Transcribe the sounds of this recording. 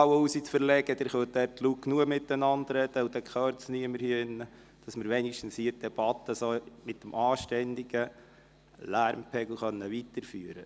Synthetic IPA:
wəusit͡sfəɾlɛɡ̥əd̪ɛːɾχœt̚dɛɾtʰlukːnuəmɪtːənɑndɾɛd̪̥əud̥ɛkʰχœɾt͡sniəməɾhiɪnːə | d̥ɑsməɾʋɛniʃtn̩shiːd̥ɛb̥ɑt̪ːəsoːmɪt̚ːəmʔɑːʃtɛnd̪iɡ̥ə | læɾmpʰɛɡl̩ˠχœnːəʋit̪əɾfyːɾə

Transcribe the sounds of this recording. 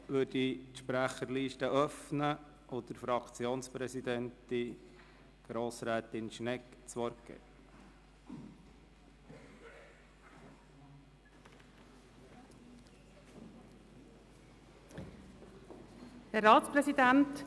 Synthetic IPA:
ʋɵːditʃpɾæχəɾliːʃtəʔœfnə | ʔʊd̪əɾfɾɑkt͡sjoːnspɾɛsid̪ɛnti | ɡ̥ɾoːsɾæːt̪ɪnʃnɛkt͡sʋɔɾkɡ̥ɛ̰ | hæɾːɑːtspɾɛsid̪ænt

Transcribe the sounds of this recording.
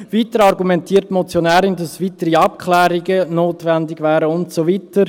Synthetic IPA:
viːtəɾɑrɡumɛntiːɾtmɔt͡sjonæːɾɪndɑsviːtəɾiɑp̚kʰχlɛːɾiɡənoːtvɛndɪɡvɛːɾəʊntsoviːtəɾ

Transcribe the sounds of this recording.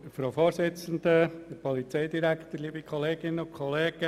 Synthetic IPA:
əfɾoʊfoːɾsɪt͡sən̩d̪əəpʰɔlit͡seɪd̪iɾækt̪əɾliːbikʰχɔleːɡɪnːəʊkʰχɔleːɡ̥ə

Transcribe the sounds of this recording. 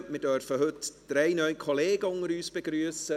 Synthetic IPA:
midœːrfəɦɵtd̥ɾejnœjkʰɔleːɡəʊŋəɾyːsb̥əɡɾyəsə

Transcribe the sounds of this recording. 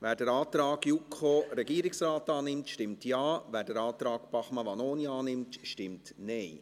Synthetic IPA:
ʋæːɾdɛɾɑːt̪ɾɑːɡjukʰχoːɾɛɡiːəɾɪksɾaːtɑːnɪmtʃtɪmtjɑːvæːɾdɛɾɑːt̪ɾɑːkpɑχmɑʋɑnoːniɑːnɪmtʃtɪmtneɪ

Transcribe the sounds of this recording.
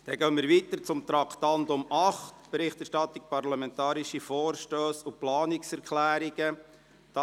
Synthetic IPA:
d̥ɛɡœːmɪːɾʋiːt̪əɾt͡sʊmt̪ɾɑkʰt̪ɑnd̪ʊmɑχtb̥eɾɪχt̪ɛɾʃtɑt̪ːik̚pɑɾlɑmɛntɑːɾiʃifoːɾʃtøːsuplɑːniksɛɾkʰlæːɾiɡ̥ə | d̥ɑ

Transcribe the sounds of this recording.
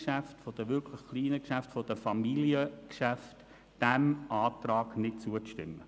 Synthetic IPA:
ʃæftfod̥əʋʏɾkʰlɪχχliːnəkʃæftfod̥əfɑmiliəkʃæft | d̥ɛmʔɑːtrɑːɡnɪt̚t͡suəʃtɪ̰mːə

